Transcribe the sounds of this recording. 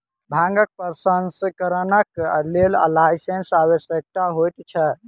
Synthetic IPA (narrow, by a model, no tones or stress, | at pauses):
bʱãŋɡək̚pəɾsənskəɾənəklela̰lajsensaβəsjək̚t̪aɦojt̪t͡ʃʰɛ